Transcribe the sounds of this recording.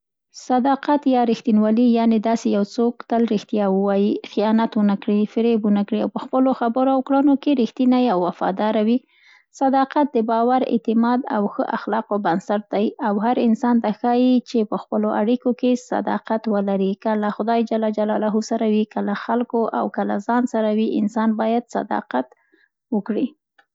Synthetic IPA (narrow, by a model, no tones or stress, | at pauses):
sad̪ɑqat̪jɑɾixt̪inwɑlijɑned̪ɑsejawt͡sokt̪əlɾixt̪jɑwəwɑjixijɑnat̪wənakɽifɪɾebunakɽiawpəxpəloxabəɾoawkɽənokeɾixt̪inajawːafɑ̰d̪ɑɾawi | sad̪ɑqat̪̚d̪əbɑwaɾɪ̰t̪ɪmɑd̪a̰wxəʔaxlɑqobansaɾ̚d̪ajawhaɾɪnsɑnt̪axɑjit͡ʃepəxpəloʔaɽikokesa̰d̪ɑ̰qat̪wəlaɾikalaxʊd̪ɑjd͡ʒalɑd͡ʒalɑlɑɦusaɾawikəlaxalkoʔa̰wkəla̰zɑnsaɾawiʔɪ̰nsɑnbɑjad̪sa̰d̪ɑ̰qat̪ | wəkɽi